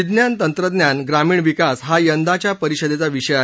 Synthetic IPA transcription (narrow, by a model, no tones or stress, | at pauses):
id̪njant̪ənt̪ɾəd̪njanɡɾamiːɳʋikasɦajənd̪at͡ɕjapəɾiɕəd̪et͡saʋiɕəja